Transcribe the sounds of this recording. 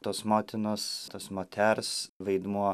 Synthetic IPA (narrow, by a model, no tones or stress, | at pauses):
t̪oːsmoːt̪ʲɪnost̪oːsmoːt̪ʲʰæɾsʋɐɪd̪muɔ